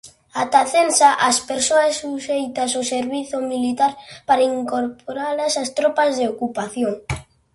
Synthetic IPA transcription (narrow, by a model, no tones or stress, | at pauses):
at̪aθensaʔaspeɾsoasːuʃejt̪asoseɾβiθomilit̪aɾpaɾaiŋkoɾpoɾalasast̪ɾɔpazðeokupaθjoŋ